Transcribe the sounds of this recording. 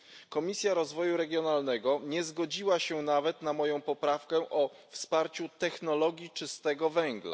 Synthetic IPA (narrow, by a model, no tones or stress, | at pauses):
kɔmʲisʲjaɾɔzvɔjuɾɛɡʲjɔnalnɛɡɔɲɛzɡɔd͡ʑiwaɕɛnavɛt̪namɔjɔ̃w̃pɔpɾafkɛʔɔfspaɾt͡ɕut̪ɛxnɔlɔɡʲjit͡ʂɘst̪ɛɡɔvɛŋɡla̰